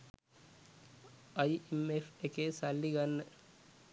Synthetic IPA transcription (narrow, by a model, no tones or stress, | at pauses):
ɐiemefʰekesalːiɡɐnː